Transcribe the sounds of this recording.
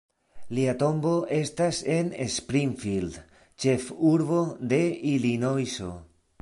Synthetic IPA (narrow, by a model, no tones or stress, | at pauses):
liato̞mbo̞ʔe̞stase̞nespɾinfild | t͡ʃe̞fuɾβo̞d̪e̞ilino̞jso̞̰